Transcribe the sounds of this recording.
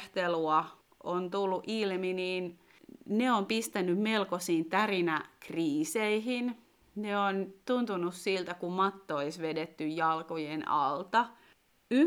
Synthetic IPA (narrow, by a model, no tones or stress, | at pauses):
t̪eluɑ | ʔont̪ulːuʔilminiːn | neompist̪ænːymmelkosiːnt̪ærinækriːseihin | neont̪unt̪unussilt̪ækummɑt̪ːooisʋedet̪ːyjjɑlkojenɑ̰lt̪ɑ | y